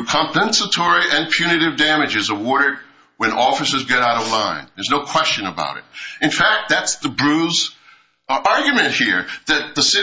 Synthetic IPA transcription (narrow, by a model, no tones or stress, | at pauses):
kʰɑ̃mpɛ̃nsətʰɔɹiʔɨ̃npʰj̥ʉnɨɾɨvdæmɨd͡ʒɨzəwɔɹɾɨd̚ | wɨ̃nɔfɨsə˞zɡɛɾaʊɾʌvlãɪ̃nðə˞znoʊkʰw̥ɛst͡ʃɨ̃nəba̰ʊɾɨ̰t̚ɨ̃nfæk̚t̪̚ðætsðɨbɹʉz | ɑɹɡjmɨ̃ntʔ̚hiɹðɨt̪̚ðəsɪ